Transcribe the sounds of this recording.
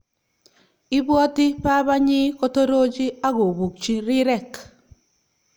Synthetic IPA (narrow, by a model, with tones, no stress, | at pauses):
ɪ˦bwɔ˦tɪ˦pa˦ba˦ɲɪ˦ko˦to˦ɾo˦d͡ʒi˦a˦ɡo˨bu˨k̚t͡ʃi˦ɾɪ˦ɾɛ˦˨k